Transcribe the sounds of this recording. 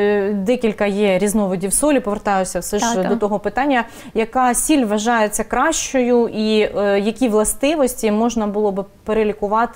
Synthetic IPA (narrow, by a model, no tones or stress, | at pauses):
d̪ɛkʲilʲkɐjɛɾʲiznɔʋɔdʲiwsɔlʲipɔʋert̪ɑjʊsʲɐwsɛʒdd̪ɔt̪ɔɦɔpɪt̪ɑnʲːɐ | jɐkɑsʲilʲʋɐʒɑjet͡sʲːɐkɾɑʃt͡ʃɔjʊʔijɐkʲiʋlˠɐst̪ɪʋɔsʲtʲimɔʒnɐbʊlˠɔbɪ | peɾelʲikʊʋɑt̪ɪ